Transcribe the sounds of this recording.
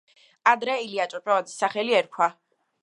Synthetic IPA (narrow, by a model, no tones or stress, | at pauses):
ad̪ɾɛiliat͡ʃʼɔt͡ʃʼɔvad̪i̥saχɛliɛɾkʰwa